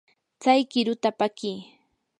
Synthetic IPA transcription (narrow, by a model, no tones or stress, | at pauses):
t͡sajkɪɾʊt̪apakiː